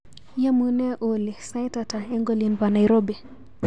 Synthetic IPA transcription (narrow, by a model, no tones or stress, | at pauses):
jamunɛʔolisajtataɛŋɡɔlinpanajɾɔbi